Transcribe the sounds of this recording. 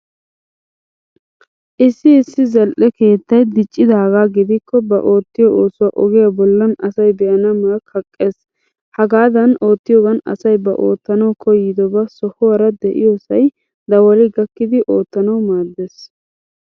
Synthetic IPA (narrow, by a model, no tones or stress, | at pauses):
ʔɪsːɪɪsːɪzɛlʔɛke̞ːt̪ːɐjd̪ɪt͡ʃʼːɪd̪aːɡaːɡɪd̪ɪkːɔbɐ̰ʔo̞ːt̪ːɪjɔoːsʊwaʔɔɡɪjabɔlːɐnɐsɐjbɛjɐnɐmɐlɐkʰɐkʼːe̞ːs | hɐɡaːd̪ɐno̞ːt̪ːɪjɔɡɐnɐ̰sɐjbɐʔoːt̪ːɐnɐwkʰɔjɪd̪ɔbɐsɔhʊwɐɾɐd̪ɛʔɪ̰jɔsɐj | d̪ɐwɔlɪɡɐkːɪd̪ɪʔo̞ːt̪ːɐnɐwmaːd̪ːe̞ːs